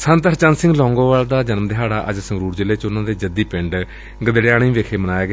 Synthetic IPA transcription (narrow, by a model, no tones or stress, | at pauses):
sənt̪əɾt͡ʃãːnsɪ̃ŋɡlɔ̃ːŋɡõːʋaːld̪aːd͡ʒənmd̪ɪɦaːɽaːʔə̰d͡ʒsə̃ŋɡɾuːɾd͡ʒɪleːt͡ʃʊnãːd̪eːd͡ʒəd̪iːpɪɳɖ | ɡəd̪ɽjaːñĩːʋeːkʰeːmənaːjeːɡeː